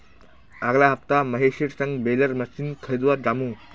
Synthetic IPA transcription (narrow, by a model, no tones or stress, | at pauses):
aɡlaɦəft̪aməɦeɕiɽsəŋɡbeləɾməsinkʰəid̪ʋaɾd͡ʑamũ